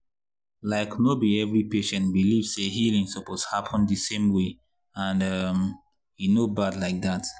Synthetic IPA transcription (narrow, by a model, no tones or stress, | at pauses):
laɪknobiɛvɹipeʃɛ̃ntbiliv̥seɦilĩŋsɔpoz̥hapʰə̃nðɨsẽmwe | ãnʌm | hinobadlaɪk̚ðat